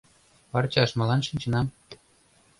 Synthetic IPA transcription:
pɑrt͡ɕɑʃmɤ̆lˠɑnʃinʲt͡ɕɤ̆nɑm

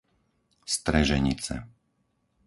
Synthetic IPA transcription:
st̪ɾɛʒɛɲit͡sɛ̰

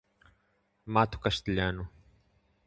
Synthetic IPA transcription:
maːt̪ʰu̥kɐʃt̪iʎaːnu

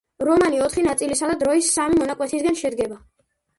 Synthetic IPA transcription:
ɾɔmaniɔt̪ʰχinat̪sʼilisad̪ad̪ɾɔisːamimɔnakʼwɛt̪ʰisɡanʃɛd̪ɡɛba

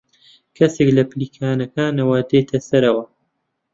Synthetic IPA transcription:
kʰɐseklɐpliːkʰaːnɐkaːnɐwaːd̪et̪ʰɐsɐɾɐwɐ

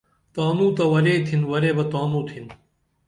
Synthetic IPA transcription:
t̪aːmũːt̪ɐʋɐɾeːt̪ʰinʋɐɾeːbɐt̪aːmũːt̪ʰin

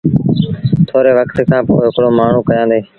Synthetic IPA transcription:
t̪ʰoːɾeːʋəkt̪kʰãːpo̰ːɪɦɪkɽoːmaːɳ̤ũːkəjãːd̪eː

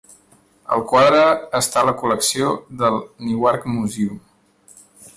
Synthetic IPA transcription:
ə̰lˠkwaðɾəːst̪aləkuləksioðəlˠniwaɾkmuziu

